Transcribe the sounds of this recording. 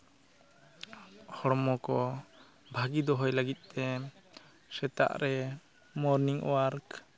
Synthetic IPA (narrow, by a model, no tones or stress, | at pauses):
hɔɽmɔkɔ | bʱaɡid̪ɔɦɔjlaɡit̪̚ˀt̪ɛ | sɛt̪a̰ʔɾɛ | mɔɾniŋ̰waɾk